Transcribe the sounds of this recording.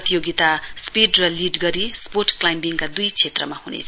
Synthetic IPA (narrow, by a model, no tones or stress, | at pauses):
t̪ijoɡit̪aspiɖrʌliɖɡʌɾisporʈklajmbiŋkad̪ujt͡sʰet̪rʌ̰mahunḛt͡sʰʌ